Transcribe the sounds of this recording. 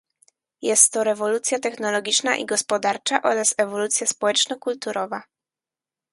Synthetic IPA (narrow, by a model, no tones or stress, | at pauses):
jɛst̪ːɔɾɛvɔlut̪sʲjat̪ɛxnɔlɔɡʲit͡ʂna̰ʔḭɡɔspɔd̪aɾt͡ʂaʔɔɾasɛvɔlut̪sʲjaspɔwɛt͡ʂnɔkult̪uɾʔɔva